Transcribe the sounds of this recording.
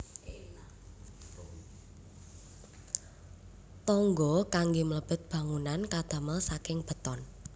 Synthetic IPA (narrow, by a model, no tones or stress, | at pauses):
t̪ɔŋɡɔkaŋɡimələb̥ə̤t̪̚b̥ä̤ŋunankad̪̥ä̤məlsakɪŋb̥ə̤t̪ɔn